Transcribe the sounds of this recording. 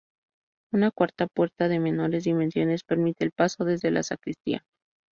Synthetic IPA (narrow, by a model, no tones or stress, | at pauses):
unakwaɾt̪apwe̞ɾt̪aðe̞me̞no̞ɾe̞zðimẽ̞nsjo̞ne̞spe̞ɾmit̪e̞ːlpaso̞ðe̞zðe̞la̰sakɾist̪ḭa̰